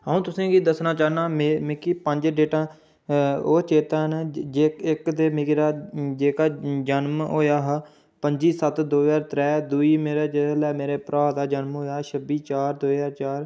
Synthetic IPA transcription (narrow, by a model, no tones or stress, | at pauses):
ɦaũːt̪ʊsẽːɡiːd̪əsnaːt͡ʃaːnaːmemɪkiːpəɲd͡ʒɖeːʈãː | oːt͡ʃeːt̪aːɦnd͡ʒekɪkd̪eːmɪkːɾaːd͡ʒeːkaːd͡ʒənmɦo̰ːjaːɦ | pəɲd͡ʒiːsət̪d̪oːjaːɾt̪ɾɛːd̪uiːmeːɾeːd͡ʒɪlɛːmeːɾeːpɾaːd̪aːd͡ʒənmɦoːjaːɦʃʰəbiːt͡ʃaːɾd̪oːjaːɾt͡ʃaːɾ